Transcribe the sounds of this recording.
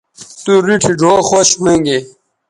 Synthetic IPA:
t̪uɾiʈʰiɖʱoːxoɕmeŋɡe

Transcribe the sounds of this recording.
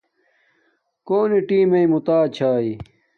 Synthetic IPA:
koːniʈiːmɐimut̪aːt͡ɕʰaːi

